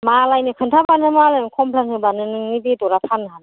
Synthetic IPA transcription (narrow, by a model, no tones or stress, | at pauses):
malajnɯkʰɯntʰabanɯmalɯnkʰɔmpʰlaŋɯbanɯnɯŋnibidɔɾapʰanɯɦan